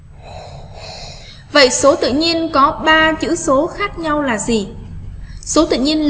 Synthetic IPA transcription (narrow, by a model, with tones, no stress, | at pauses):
və̰˧˨jso˨˦t̪ɨ̰˧˨ɲi˧ənkɔ˨˦ɓaː˧t͡ɕɨ̰˧˥so˨˦xaː˦˥k̚ɲa˧wlaː˨˩zi˨˩ | so˨˦t̪ɨ̰˧˨ɲi˧ən